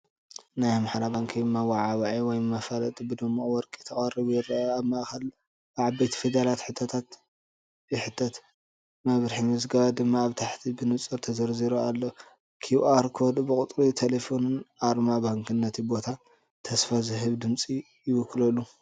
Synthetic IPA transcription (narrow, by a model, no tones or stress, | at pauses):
najmaħɾabaŋkʰimːawaʕaβaʕiwɔjmɐfalɐt̪ʼbɨd̪ɐmːɐwɔɾkʼit̪ʰɐχʼɐriβujɪrɐaaβmaʔxɐl | bʕabejt̪ʰi̥fid̪alat̪ħɨt̪ʰɐt̪ʰat̪ | jɨħɨt̪ʰːɐt̪ | mɐβɾɨħimɨzɡɐβad̪ɨmːaːβt̪ʰaħt̪ʰibɨnɨt͡sʼɨɾt̪ʰɐzɐɾziɾoalːɐ | kʰiuʔaɾkʰod̪bɨkʼʊt̪ʼɾit̪ʰelefo̞nɨnaɾmabaŋkʰɨnːɐt̪ʰibo̞t̪ʰa | t̪ʰɐsfazɨɦɨβd̪ɨmt͡sʼi | jɪwɔkːlɐlːu